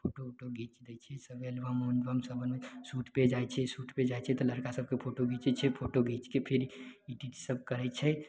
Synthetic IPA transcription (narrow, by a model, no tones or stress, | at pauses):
pʰoʈoʈoɡit͡ʃd̪ɛt͡ʃʰɛsəbelbamonɖʋəmsəbʱənmesuʈped͡ʒaɛt͡ʃʰɛsuʈped͡ʒaɛt͡ʃʰɛt̪ɔləɾkasəb̚ʱkepʰoʈoɡit͡ʃɛt͡ʃʰɛpʰoʈoɡit͡ʃkepʰiɾiʈiʈsəbkəɾɛt͡ʃʰɛ